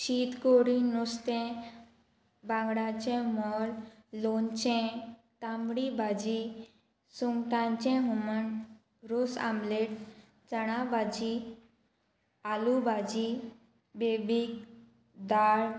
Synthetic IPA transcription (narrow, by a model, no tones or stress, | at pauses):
ɕit̪koɽinːust̪ɛ̃ | bãŋɡɽat͡ɕɛ̃mɔllont͡ɕɛ̃t̪amɽibad͡ʑi | suŋʈãɲt͡ɕɛ̃ɦumən | ɾusa̰mleʈ | t͡səɽ̃abad͡ʑi | alubad͡ʑi | bebik | d̪aɭ